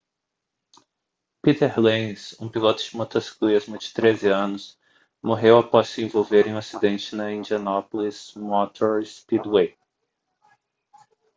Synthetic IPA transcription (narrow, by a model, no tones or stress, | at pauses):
pit̪eɾlẽsũpilot̪ʊd͡ʒɪmot̪osi̥klizmʊd͡ʒɪ̥t̪ɾezɪɐ̃nʊs | moɦewapɔssɪẽvowveɾẽj̃asid̪ẽnt͡ʃɪnɐĩnd͡ʒiɐnɔpolizmɔt̪ʰoɾspid̪wej